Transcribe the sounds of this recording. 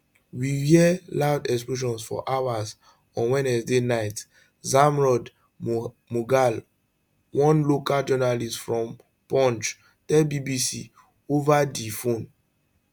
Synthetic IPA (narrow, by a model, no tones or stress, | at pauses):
wiwiɛlaʊdɛks̬ploʃ̬ɔ̃nsfɔ̰ʔawaz | ɔ̃nwɛ̃nɛsdenaɪt | zãmɹɔd | muɡal | wɔ̃nlokald͡ʒɔnalistfɹɔ̃m | pɔ̃nt͡ʃ | tɛbibisi | ovadifõn